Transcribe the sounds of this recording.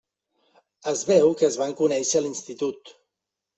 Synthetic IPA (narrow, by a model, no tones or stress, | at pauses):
əzβɛwkəːzβaŋkunɛʃəlinst̪it̪ut̪